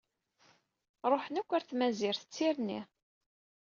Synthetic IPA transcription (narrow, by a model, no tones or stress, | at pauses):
ɾˤoħənækʷːæɾθmæziɾθə̥t͡sːiɾnḭ